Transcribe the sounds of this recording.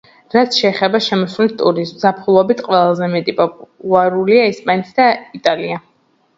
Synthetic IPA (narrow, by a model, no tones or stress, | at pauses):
ɾat̪sʰʃɛːχɛbaʃɛmɔsvlit̪ʼuɾiszapʰχulˠɔbit̪ʰqʼwɛlˠazɛmɛt̪ʼipʼɔpʼlˠaɾuliaispʼanɛt̪ʰd̪ait̪ʼalia